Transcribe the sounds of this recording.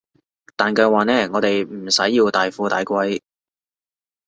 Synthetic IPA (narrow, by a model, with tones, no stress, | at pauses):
t̪aː˨nkœː˧waː˨nɛː˥ŋɔː˨˧t̪e˨jm̩˨˩sɐ˨˥jːiː˧wt̪aː˨jfuː˧t̪aː˨˧jkʷɐ˥j